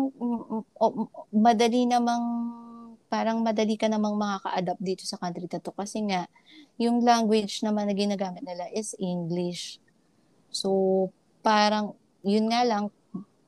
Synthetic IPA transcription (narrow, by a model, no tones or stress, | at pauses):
ŋʔomɐd̪ɐlinɐmaŋ | paːɾɐŋmɐd̪ɐlikɐnɐmaŋmɐkakɐ̰ʔad̪ap̚d̪iːt̪o̞sɐkant̪ɾit̪ɐt̪o̞kɐsɛŋaʔ | jʊŋlaŋɡwɪd͡ʒnɐmanːɐɡɪnaɡaːmɪt̪̚nɪlaʔɛsʔɪŋɡlɪʃ | so | paːɾɐŋ | jʊnŋalɐŋ